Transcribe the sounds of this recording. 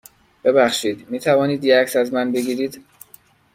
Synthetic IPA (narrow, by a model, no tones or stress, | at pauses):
b̥e̞bæxʃiːd̪miːt̪ʰævɒːniːd̪jeæcsæzmænbe̞ɡiːɾiːd̪